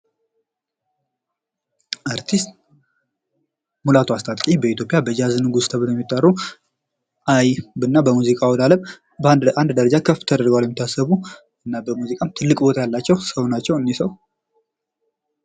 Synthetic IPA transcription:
ʔaɾt̪ʰist̪ | mulat̪ʰuast̪ʼat̪ʼkʼibəit̪jo̞pʼjabəd͡ʒazɨnɨɡust̪ʰəβɨt̪jɛmːit̪ʼːarːu | ʔajbɨnːabəmuzikʼawɔlaləm | band̪d̪əɾəd͡ʒakʰəfːt̪ʰəd̪əɾɡəwaljɛmɪt̪ʰːasːəβu | ɨnːabəmuzikʼamt̪ʰɨlːɨkʼbo̞t̪ʰajalːat͡ʃːɛwsəwnat͡ʃːɛwɨnːisəw

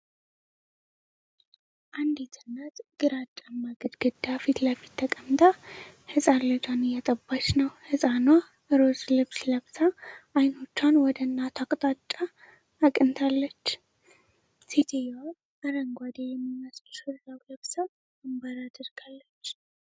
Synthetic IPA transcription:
ʔand̪et̪ʰɨnːat̪ɡ̥ɨɾat͡ʃʼːamːaɡəd̪ɡɨd̪ːafit̪ləfi̥t̪ʰːəkʼəmt̪ʰʼahɨsʼanlɨd͡ʒʼanɨjɛt̪ʼəbːat͡ʃːnəwhɨsʼanwa | ʔɨɾo̞zlɨβsləβsaʔːjno̞t͡ʃːanwɔd̪əɨnːat̪ʰakʼt̪ʼat͡ʃʼːaː | kʼɨnt̪ʰalːət͡ʃː | sid͡ʒ̪ʰejawa | əɾəŋɡʷad̪ejɛmːiməsʼsɨɾlawləβsa | mɨmbəɾad̪əɾɡ̥alːət͡ʃː

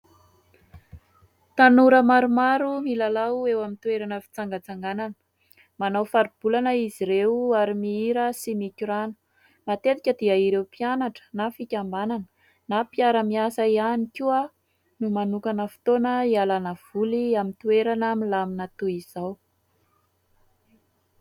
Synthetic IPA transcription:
t̪anuɾəmaɾumaɾumilalaewamint̪ueɾanəfi̥t͡saŋɡat͡saŋɡananə̥ | manawfaɾib̥ulanəiziɾewaɾimiiɾəsimikʲuɾanə̥ | mat̪et̪ikʲəd̪iaiɾewpianaʈ͡ʂə̥nafikʲambananə̥ | napiaɾəmiasəianikʲuə | numanukanəfi̥t̪onəialanəv̥uliamint̪ueɾanamilaminat̪uiz̥aw

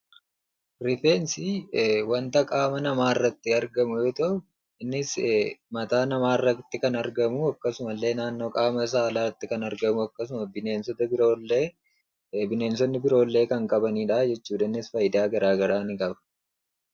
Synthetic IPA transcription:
ɾɪfeːnsiwɐnt̪ɐkʼaːmɐnɐmaːɪrːɐt̪ːɪɐɾɡɐmʊjoːt̪ɐʔʊ | ɪnːɪsmɐt̪aːnɐmaːɪrːɐɪt̪ːɪkɐnɐɾɡɐmʊɐkːɐsʊmɐlːe̞ːnaːnːo̞ːkʼaːmɐs̬aːlaɐt̪ːɪkɐnɐɾɡɐmʊɐkːɐs̬ʊmɐbɪneːnsɔt̪ɐbɪɾo̞ːlːeː | bɪne̞ːnsɔnːɪbɪɾo̞ːlːe̞ːkɐŋkʼɐbɐniːᶑaːd͡ʒɛt͡ʃːuːᶑɐɪnːɪsfɐjɪd̪aːɡɐɾaːɡɐɾaːnɪkʼɐbɐ̥

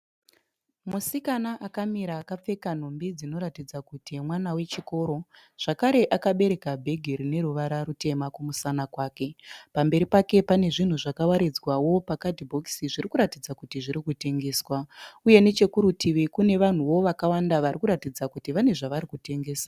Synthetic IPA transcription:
musikanaʔakamiɾaːkap͡fe̞kan̤o̞mbid͡zino̞ɾatid͡zakutimwanawe̞t͡ʃiko̞ɾo̞ | ʐ̥akaɾe̞ʔakaɓe̞ɾe̞kabʱe̞ɡʱeɾine̞ɾuʋaɾaɾute̞makumusanakwaːke̞pambe̞ɾipake̞pane̞ʐin̤uʐakawaɾed͡zwawo̞pakatibʱo̞ksiʐirikuɾatid͡zakutiʐiɾikute̞ŋɡe̞ːswauje̞ne̞t͡ʃe̞kuɾutiʋikune̞ʋan̤uwo̞ʋakawandaʋarikuɾatid͡zakutiʋane̞ʐaʋaɾikute̞ŋɡe̞ːsa

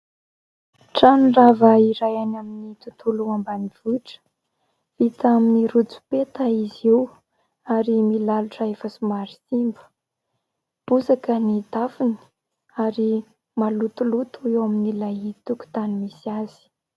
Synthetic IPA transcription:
ʈ͡ʂanravaiɾajanaminit̪ut̪uluambaniv̥uʈ͡ʂə̥ | vit̪aminiɾut͡su̥pet̪aizew | aɾimilaluʈ͡ʂaefasumaɾisimbə̥ | b̥usakənid̪afin̥i̥ | aɾi | malut̪ulut̪uewaminilait̪uku̥t̪animisiaz̥i̥

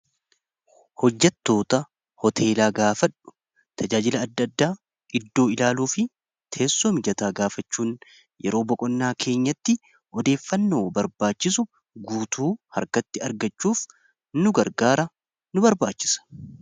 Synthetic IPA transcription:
hɔd͡ʒːɐt̪ːo̞ːt̪ɐ | hɔt̪ʰe̞ːlaːɡaːfɐᶑːʊ̥ | t̪ʰɐd͡ʒaːd͡ʒɪlɐːd̪ːɐd̪ːaː | ɪd̪ːo̞ːɪlaːluːfɪ | t̪ʰeːsːoːmɪd͡ʒɐt̪aːɡaːfɐt͡ʃːuːn | jɛ̰ɾo̞ːbɔkʼɔnːaːkʰe̞ːɲːɐt̪ːɪ | ʔɔd̪e̞ːfːɐnːo̞ːbɐɾbaːt͡ʃːɪs̬ʊ | ɡuːt̪ʰuːhɐ̰ɾkɐt̪ːɪɐɾɡɐt͡ʃːuːf | nʊɡɐɾɡaːɾɐ | nʊbɐɾbaːt͡ʃːɪ̥sɐ̥

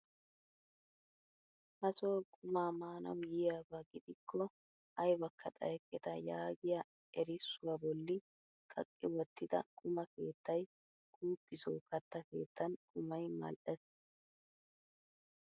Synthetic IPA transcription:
hɐsoːkʼʊmaːmaːnɐ̰wjɪjaːbɐɡɪd̪ɪkʰːɔ | ɐjbɐkːɐt̪ʼɐ̰jkʼːɛt̪ɐjaːɡɪjɐ | ɛɾɪsːʊwɐbɔlːɪ | kʼɐ̰kʼːɪwɔt̪ːɪd̪ɐ̰kʼʊmɐke̞ːt̪ːɐj | ɡ̥uːkːɪso̰ːkɐt̪ːɐke̞ːt̪ːɐnkʼʊmɐjmɐ̰lʔɛs

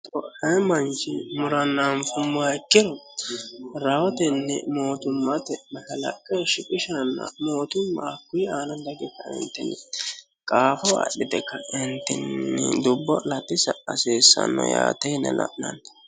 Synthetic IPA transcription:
t̪ɔhɛmɐnt͡ʃɪmʊɾɐnːanfʊmːʊaɪkːɪd̪ɔ | ɾɐwɔt̪ɛnːɛ̰moːt̪ʊmːɐt̪ɛmɐhɐlɐ̰kʼːɛʃɪkʼɪʃɐnːɐ̰moːt̪ʊmːaːkːʊjaːnɐd̪ɐɡɛkːɐɪ̰nt̪ːɛnːɛ | kʼaːfɔwɐ̰ɗːɪd̪ɛkːɐɪnt̪ːɛnːɛd̪ʊbːɔlɐt̪ːɪsɐɐseːsːɐ̰nːɔ̰ja̰ːt̪ɛjnɛlɐ̰ʔnɐn

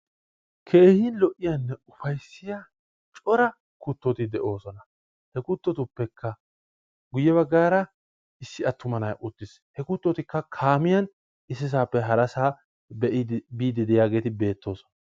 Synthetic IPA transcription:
kʰe̞ːhinlɔʔːɪjɐnːɛʊfɐjsːɪja | t͡ʃʼɔɾɐ | kʊt̪ːɔt̪ɪd̪ɛʔo̞ːsɔnɐ | hɛkʊt̪ːɔt̪ʊpːɛkʰːɐ | ɡʊjːɛβɐɡːaːɾɐ | ɪsːɪɐt̪ːʊmɐnɐja̰ʔʊt̪ːɪs | hɛkʊt̪ːɔt̪ɪkːɐkʰaːmɪjɐn | ɪsːɪs̬aːpːɛɦɐɾɐsaː | bɛʔ̪biːd̪ɪd̪ɪjaːɡe̞ːt̪ɪbe̞ːt̪ːo̞ːsɔ̥nɐ

